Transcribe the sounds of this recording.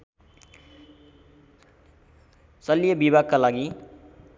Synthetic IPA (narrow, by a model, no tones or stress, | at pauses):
sʌlijʌbibʱaɡ̚kalaɡi